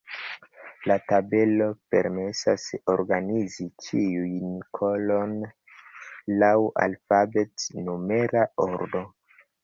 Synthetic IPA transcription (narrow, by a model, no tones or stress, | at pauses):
latabe̞lo̞pe̞̰ɾmesaso̞ɾɡanizit͡ʃiujnikʰo̞lo̞n | lawa̰lfabetnome̞ɾaoɾdo̞